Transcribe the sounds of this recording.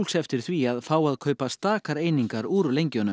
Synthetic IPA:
lsɛft̪ɪɾ̥θviaðfaːwaðkʰœːɥpast̪aːkaɾejniŋkaɾuːɾʏlejɲcœnʏ

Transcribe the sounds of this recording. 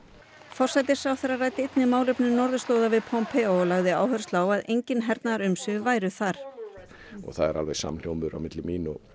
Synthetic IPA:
fɔr̥sɛjt̪ɪɾ̥sawθɛɾaraːjt̪ɪet̪nɪmaːwlʏpnʏnɔɾðʏst̪oːwðavɪðpʰɔmpʰɛolaɣðɪa̰ːwhœɾ̥st̪laːwaðʔejɲcɪnɦɛɾt̪naɾʏmsʏvaːjɾʏθaɾ̥ | ɔ̰ɣθaðɛ̰ɾʔa̰lvḛjsa̰mn̥jowmʏʏɾa̰wmɪt̪lɪmiːnɔ

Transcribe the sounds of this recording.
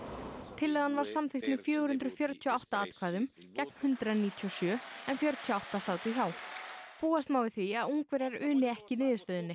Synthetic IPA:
t̪ʰɪlːɛːɣðanvaɾ̥samθɪht̪mɪfjœːɣʏhʏnt̪ɾʏfjœɾt̪ʰiɔawht̪aaːt̪kʰvaːðʏm | cɛk̚n̥hʏnt̪ɾaniːt̪ʰiɔsjœːɛnfjœɾt̪ʰjɔawht̪asaːwt̪ɪçawpuːast̪maːwvɪθviaðuŋkvɛɾɛɾʏːnɪɛhcɪnɪːðɪst̪œːðɪnːɪ

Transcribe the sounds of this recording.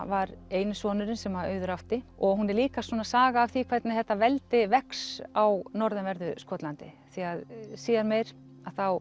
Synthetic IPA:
vaɾeːjnʏsvɔːnʏɾɪnsɛmaœːɥðʏɾawt̪ɪɔɣɦunɛɾliːkasɔnasaːɣaːvθikʰvɛt̪nɪθɛht̪ːavɛlt̪ɪvɛksawnɔɾðɛnvɛɾðʏskɔːt̪lant̪ɪ | θiaðsiːaɾmeːjɾ̥ | aðθaw

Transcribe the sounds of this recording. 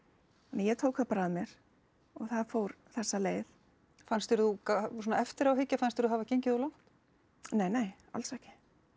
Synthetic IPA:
nɛjɛt̪ʰowkhapɾaðmjɛɾ̥ | ɔɣθaðfoːwɾθɛsːaleːjð | fanst̪ɪɾðukasɔnaɛft̪ɪɾawɦɪcːafanst̪ɪɾðuɦavaceɲcɪðɔlawŋ̥t̪ | neːjneːj | a̰lsɛhcɪ̥

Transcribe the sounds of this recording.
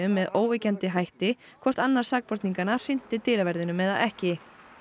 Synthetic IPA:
ʏmːɛðoːwvɪcɛnt̪ɪɦajht̪ɪ | kʰvɔr̥t̪anːaɾ̥saːk̚pɔɾ̥t̪niŋkanḁfɪn̥t̪ɪt̪ɪːlavɛɾðɪnʏmːɛða̰ɛhcɪ

